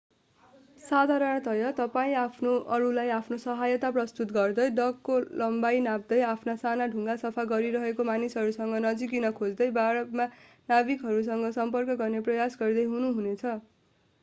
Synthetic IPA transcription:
sad̪ʱaɾʌñt̪ʌjʌt̪ʌpaĩapʰnoʔʌɾulajapʰnosʌɦajʌt̪aprʌst̪ut̪ɡʌrd̪ʌjɖʌkːolʌmbajnab̚d̪ʌjapʰnasanaɖʱuŋɡasʌpʰaɡʌɾiɾʌɦekomanisɦʌɾusʌŋɡʌnʌd͡zik̬inʌkʰod͡zd̪ʌjbʱaɾʌt̪ma | nabikɦʌɾus̬ʌŋɡʌsʌmpʌrkʌɡʌrneprʌjasɡʌrd̪ʌjɦunuɦunet͡sʰʌ

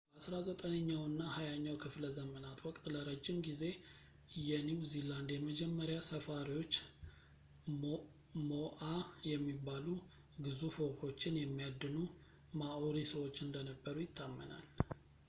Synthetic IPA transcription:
basɾazət̪ʼənəɲːawɨnːahajaɲːawkʰɨfləzəmənat̪wɔkʼt̪ʼləɾəd͡ʒːɪmɡize̞ | jɛniwziland̪jɛməd͡ʒɛmːəɾjasəfaɾiwo̞t͡ʃː | moʔajɛmːibːalu | ɡɨzufəwho̞t͡ʃːɪnjɛmːijad̪ːɨnu | maʔoɾisəwo̞t͡ʃːɨnd̪ənəbːəɾujɪt̪ʰːamːə̰na̰l

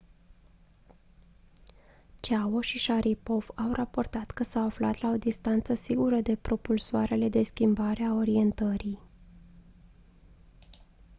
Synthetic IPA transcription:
t͡ʃawoʃiʃaɾʔipo̞v̥awrapo̞rt̪at̪kəsawafla̰t̪lao̞d̪ist̪ant̪səsiɡuɾəd̪e̞pɾo̞pulsoaɾe̞le̞d̪e̞skʲimbaɾeao̞ɾie̞nt̪əɾi

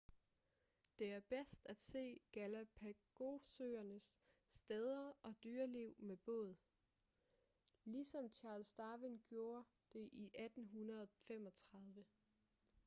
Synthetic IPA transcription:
d̥e̝æɐb̥esd̥æd̥se̝̰ːɡ̥ælæpʰæɡ̥o̝søːɐnəsːd̥eð̞ˠɐʔɒ̽d̥yːɐliʊ̰meb̥ɔ̰̽ːð̞̩ˠ | lisɒ̽mt͡ɕʰɑ̈ːlsd̥ɑ̈ːʋinɡ̥jo̝ːɐ | d̥e̝ʔiʔæd̥n̩ɦunɐðˠɒfem̰ɒ̽t͡sʰʁɑ̈ðˠʋə

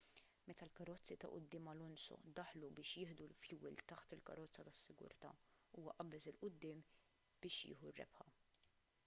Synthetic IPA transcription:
mɛt̪ɐlkɐɾɔt͡sːit̪ɐ̰ʔʊ̰d̪ːɪːmɐlʊnsɔ̰d̪ɐħlubɪːʃjɪːħd̪ulfjuːɪlt̪ɐħt̪ɪlkɐ̰ɾɔt͡sːɐt̪ɐsːɪɡʊ̰ɾt̪ɐ̰ːuːwɐʔɐbːɛsɪlʔʊd̪ːɪːm | b̥ɪːʃjɪ̰ːħurːɛ̰bħɐ

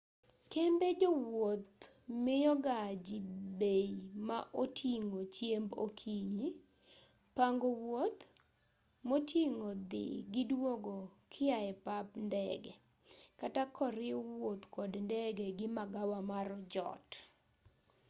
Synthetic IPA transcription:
kembed͡ʒowot̪̚ | mɪjɔɡad͡ʒibejmaʔotʰiŋot͡ʃjembokʰiɲi | paŋɡɔwot̪ | motʰiŋod̪ɪ̰ɡɪdwoɡokʰɪaɛpapndɛ̰ɡɛ | katakʰɔɾɪwot̪kɔdndɛɡɛɡɪmaɡawamaɾɔd͡ʒɔ̰t

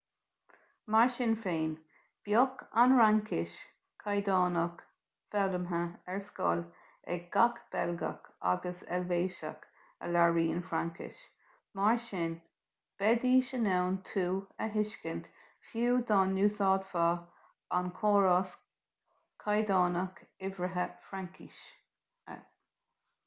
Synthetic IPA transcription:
maɹʃɪnfeːn | b̥jɔkʰanɹaŋkʰɪʃ | kʰajd̪ɑːnək | fɛləmɦəɛɹskɔ̰l | ɛ̰ɡakb̥ɛlɡa̰ka̰ɡəsɛ̰lveːʃa̰k | ə̰laɹiːənfɾaŋkʰɪ̰ʃ | maɹʃɪn | b̥ɛd̪iːʃənɛwnt̪ʰuːəɦɪʃkənt̪ | fuwd̪aːnːuːsɑːd̪fa | ankʰoːɹas | kʰajd̪ɑːnəkɪvɾəɦəfɾaŋkʰḭʃ | ə̰

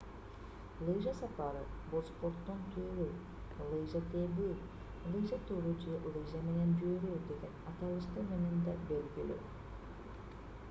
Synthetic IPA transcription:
lˠɨjʒasɑpɑɾɯbospoɾt̪ːont̪ʲʰøɾy | lˠɯjʒat̪ebi | lˠɨjʒat̪uɾud͡ʒelˠɨjʒame̞ne̞nd͡ʒyøɾyd̪e̞ɡe̞nɑt̪ɑlˠɯʃt̪ɯme̞ne̞nd̪ɑbelɡily̰

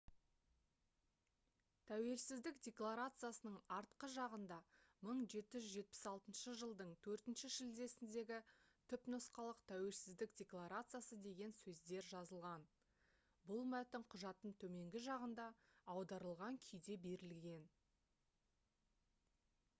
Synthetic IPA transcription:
t̪ʰæwe̞lsɪzd̪ɪkdʲe̞klˠaɾat̪sɨjasənəɴɑɾt̪qəʒɑʁənd̪ɑməɴʒe̞t̪ɪʒʏzʒe̞t̪̚pɪ̥sɑlˠt̪ənʃəʒəlˠd̪əɴt̪ʰɵɾt̪ɪnʃɪʒɪld̪e̞sɪnd̪e̞ɡʲɪt̪ʰʏpnəsqɑlˠəqt̪ʰæwe̞lsɪzd̪ɪkdʲe̞klˠaɾat̪sɨjasəd̪e̞ɡʲe̞nsɵzd̪e̞ɾʒɑzəlˠʁɑn | bʊlˠmæt̪ɪmqʰʊʒɑt̪ːəɴt̪ʰɵme̞ŋɡʲɪʒɑʁənd̪ɑːwd̪ɑɾəlˠʁɑŋkʲʰʏjd̪e̞be̞ɾɪlɡʲe̞n

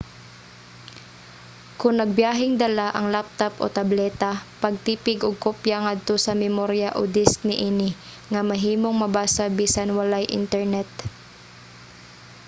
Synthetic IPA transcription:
kʊnnɐɡ̚bjaːɦɪŋd̪ɐlaʔɐŋlap̚t̪apʔo̰t̪ɐblɛːt̪apɐɡ̚t̪iːpɪɡʔoɡ̚kopjaŋad̪̚t̪osɐmɛmoɾjaʔo̰d̪ɪsknɪʔinɪ | ŋɐmɐɦiːmoŋmɐbaːsabiːsanwɐlajʔɪ̰nt̪ɛɹnɛt̪̚

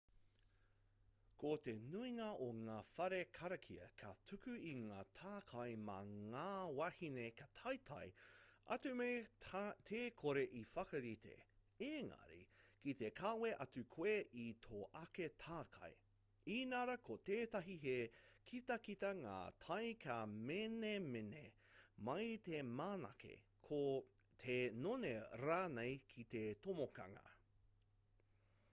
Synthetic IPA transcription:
kot̪enuiŋɐoŋaːfɐɾekʰɐɾɐkʰiɐ̰kʰɐtʰʉkʉiŋaːtʰaːkʰɐjmɐ̰ŋaːwɐhinekɐtʰɐjtʰɐ̰jɐ̰tʉmetʰeːkʰoɾe̞ʔifɐkɐɾitḛ | eːŋɐ̰ɾḭkit̪ekʰaːweʔɐtʉkʰweʔit̪ʰoʔɐketʰaːkʰɐ̰j | inɐɾɐkoteːtɐɦiɦekʰitɐkitɐŋa̰ːtʰɐjkʰamenemenemɐjtemaːnɐ̰kḛkʰot̪ʰenoneɾaːnejkʰit̪etomokɐ̰ŋɐ̰

